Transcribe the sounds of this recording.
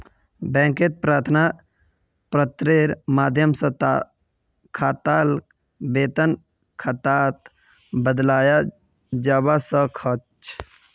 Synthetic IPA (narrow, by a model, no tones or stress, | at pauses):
bɛ̃ːŋket̪̚pɾaːɾt̪ʰna | pɾət̪ɾeɾmaːd̪ʱjəmsə̃t̪ | kʰaːt̪al | beːt̪ən | kʰət̪at̪ | bəd̪laːja | d͡ʒaːbasə̃kʰət͡ʃ